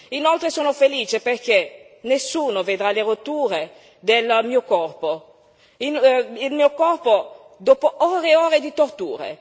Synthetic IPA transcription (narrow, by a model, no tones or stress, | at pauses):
inolt̪ɾesoːnofeliːt͡ʃeperk̟e | nesːuːnoved̪ɾaleɾot̪ːuːɾe | d̪elmiːokɔrpo | inilmiːokɔrpo | d̪oːpoʔɔːɾeɔːɾed̪it̪ort̪ṵːɾḛ